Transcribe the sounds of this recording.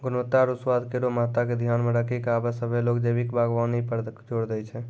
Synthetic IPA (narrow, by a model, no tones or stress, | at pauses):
ɡʊnət̪ːaɾuswad̪ʱkeɾomat̪aked̪ʱjanmeɾəkʰikabɛsəbʱelokd͡ʒəjbikbaɡʋanipəd͡ʒoɽd̪ɛjt͡ʃʰɛ